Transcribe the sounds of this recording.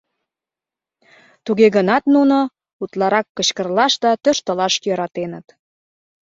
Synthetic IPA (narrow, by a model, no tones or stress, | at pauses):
t̪uɣeɣənɑt̪nuno | ut̪lɑɾɑkːə̆t͡ɕkə̆rlɑʃd̪ɑt̪øʃt̪ə̆lɑʃjəɾɑt̪enə̆t̪